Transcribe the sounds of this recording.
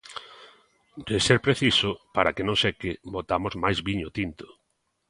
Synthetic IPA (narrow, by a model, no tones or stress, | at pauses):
deseɾpɾeθisʊpaɾakenõŋsekɪbot̪amʊzmajzβiɲʊt̪int̪ʊ̥